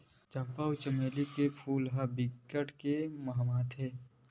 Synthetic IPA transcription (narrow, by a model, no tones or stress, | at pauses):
d͡ʒãmpaːut͡ʃəmeːlikepʰuːlɦabɪkːəʈkemɐɦmaːt̪ɦeː